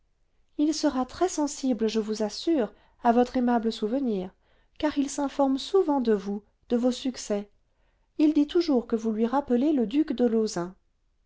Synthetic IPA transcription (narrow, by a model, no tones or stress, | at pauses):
ilsəʁat̪χɛsɑ̃sibləʒəvuzasyʁ | avɔt̪χemabləsuvəniːʁ | kaʁilsɛ̃fɔʁmsuvɑ̃d̪əvu | d̪̥əvosyksɛ | ild̪it̪uʒuʁkəvulɥiʁapəleləd̪ykd̪əlozɛ̃